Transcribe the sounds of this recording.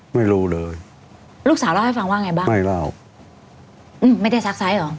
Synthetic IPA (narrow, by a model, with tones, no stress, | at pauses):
ma˥˩jɾuː˦˥lɤː˧j | ɾuː˥˩k̚saː˨˦wlaː˥˩ha˥˩fa˧ŋwaː˥˩ŋa˧jbaː˥˩ma˥˩jla˥˩w | ʔɯː˧˩mːa˥˩jdaː˥˩jsa˦˥k̚sa˦˥jʔɔː˨˦